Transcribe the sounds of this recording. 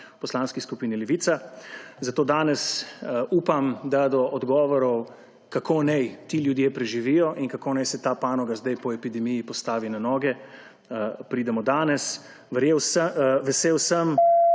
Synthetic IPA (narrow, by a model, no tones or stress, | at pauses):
pɔslanskiskupiːnilɛʋit̪sazat̪oːd̪aːnɛsuːpamd̪ad̪ɔʔɔd̪ɡɔːʋɔɾɔw | kakʰonɛjt̪iːljud̪jeːpɾɛʒiʋijɔʔinkakoːnɛjsɛt̪aːpaːnɔɡazd̪ajpɔɛpid̪ɛmijipɔst̪aːʋinanɔːɡɛ | pɾiːd̪ɛmɔd̪aːnɛs | ʋəɾjeːwsəʋɛseːwsəm